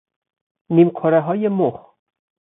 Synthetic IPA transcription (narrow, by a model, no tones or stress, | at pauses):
nimkʰɔɾɛɦɔːjemoχ